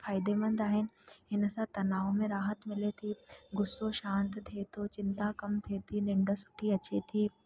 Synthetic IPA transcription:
faːjɪd̪emɐ̃nd̪aːɦɪnɪ̆ɦɪnsãt̪ɐnaːomẽɾaːɦət̪mɪlet̪ʰiɡʊsːoʃãːnt̪t̪ʰeːt̪ʰot͡ɕɪ̃nt̪akɐmt̪ʰeːt̪ʰinɪ̃ɳɖəsʊ̥ʈʰiɐt͡ɕet̪ʰiː

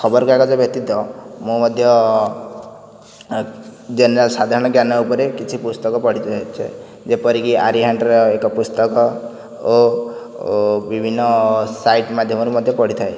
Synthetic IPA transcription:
kʰɔbɔɾkɔekɔd͡ʒebjɔk̚t̪id̪ɔmũmɔd̪ʱjɔ | d͡ʒeneɾalsad̪ʱaɾɔ̃ɽ̃ɔɡjanɔupɔɾekit͡ʃʰipust̪ɔkɔpɔɽ̤it̪at͡ʃʰḛ | d͡ʒepɔɾikia̰ɾiɦaɳʈɔɾɔekɔpust̪ɔkɔ | o | bibʱinːɔsajʈmad̪ʱjɔmɔɾumɔd̪ʱjɔpɔɽ̤it̪ʰaj

